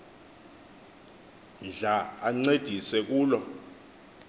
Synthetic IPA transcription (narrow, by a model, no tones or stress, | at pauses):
nd͡ɮʱaaŋ͡ǀed̥ʱisɛk̬uːlɔ